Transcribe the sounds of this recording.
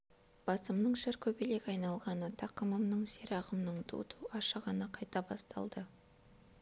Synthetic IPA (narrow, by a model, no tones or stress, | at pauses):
b̥ɑsəmnəɴʒɪɾkʲʰɵbele̞kʲɑjnɑlˠʁɑnət̪ʰɑqəməmnəɴse̞ɾɑʁəmnəɴd̪ʰṵt̪ʰuʔɑʃəʁɑnəqʰɑjt̪ɑbɑ̰st̪ɑ̰lˠd̪ə